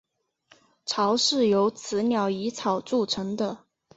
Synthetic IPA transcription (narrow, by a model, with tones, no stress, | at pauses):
ʈ͡ʂʰɑ˧˥ʊʂɻ̩˥˩jo˧˥ʊt͡sʰɹ̩˧˥njɑ˨˥ʊi˧˥t͡sʰɑ˨˩ʊt͡su˥˩ʈ͡ʂʰɤ˧˥ŋd̪ə˧